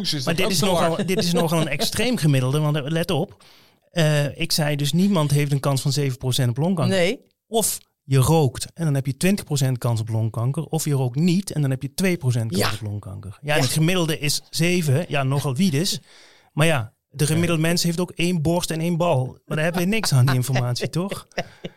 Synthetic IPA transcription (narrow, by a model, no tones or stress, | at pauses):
maːdɪtɪsnɔχlˠdɪtɪsnɔχɑlˠənɛkstrejmχəmɪdəlˠdəʋɑnlɛtɔp | əɪksɛjdɵsnimɑntɦejftənkɑnsfɑnzejvəprosɛntɔplɔŋkɑŋn | ɔf | jərowktɛndɑnɦɛpjətʋɪntəχprows̬ɛnt̚kɑns̬ɔplɔŋkɑŋkərɔfjərowk̚tnitɛndɑnɦɛpjətʋejpros̬ɛntkknsɔplɔŋkɑ̰ŋkəɹjaɛnətχəmɪdəlˠdəʔɪszejvəjaːnɔχɑlˠʋitɪs | maːɹja | dəχəmɪdl̩ˠdəmɛnsɦejftowkejnbɔɹstɛnejnbɑlˠmaːdaɦɛbəʋɪnɪksaːndiɪnfɔɹmaːtsitɔχ